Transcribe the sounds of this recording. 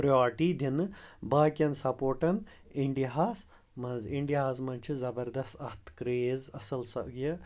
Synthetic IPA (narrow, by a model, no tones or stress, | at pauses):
pɾɐjaːɾʈiːd̪ʱinbaːkʲɐnsɐpoːʈɐn | iɳɖiɦaːs | mɐnziɳʈiɦaːzmɐnt͡ʃʰizɐbɐɾd̪ɐst̪ɐst̪kɾeːzɐsɐlsɐʔɡjɐ